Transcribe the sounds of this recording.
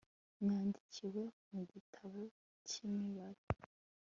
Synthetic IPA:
mŋaːndiciwe̞muɟitʰaβo | cimiβaɾei

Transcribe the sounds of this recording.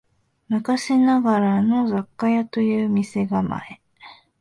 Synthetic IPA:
nɯkaɕinaɡaɾano̞zakːajat̪o̞jɯ̟ːmʲise̞ɡama̰e

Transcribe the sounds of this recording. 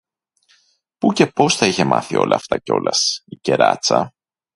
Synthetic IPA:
puce̞po̞sθɐiçe̞mʔɐθio̞̰lʔɐːft̪ɐceo̞̰lɐsice̞ɾɐ̰t͡sɐ

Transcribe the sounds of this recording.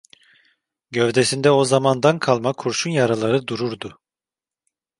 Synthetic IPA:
ɟøvd̪esind̪ɛo̞zamand̪ankʰalˠmakʰuɾʃunjaɾalˠaɾɯd̪uɾuɾd̪u

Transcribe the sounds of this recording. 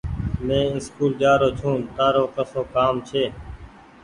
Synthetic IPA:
mẽːɪskuːld͡ʒaːɾoːt͡ʃʰũːnt̪aːɾoːkəsoːkaːmt͡ʃʰeː

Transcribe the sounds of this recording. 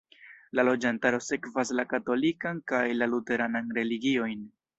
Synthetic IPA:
lalo̞d͡ʒantaɾo̞se̞kvaslakato̞likankajlalute̞ɾananɾe̞liɡio̞jn

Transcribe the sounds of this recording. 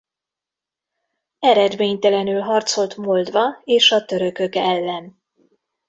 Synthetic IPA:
ɛɾɛd̪meːɲt̪ɛlɛnylɦɒrt̪so̞lt̪mold̪vɒeːʃɒt̪ø̞ɾø̞kø̞kɛlːɛn

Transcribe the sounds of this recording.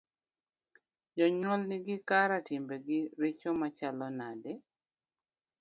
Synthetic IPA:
d͡ʒɔɲwɔlnɪɡɪkaɾatimbeɡiɾet͡ʃomat͡ʃalɔnadɛ

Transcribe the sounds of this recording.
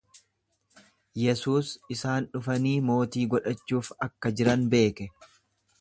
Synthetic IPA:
jɛsuːsɪsaːnᶑʊfɐniːmo̞ːt̪iːɡɔᶑɐt͡ʃːuːfɐkːɐd͡ʒɪɾɐnbe̞ːkɛ

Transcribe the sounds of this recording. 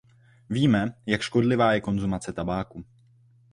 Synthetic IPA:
viːmɛjakʃko̞dlɪvaːjɛko̞nzumat͡sɛt̪abaːku

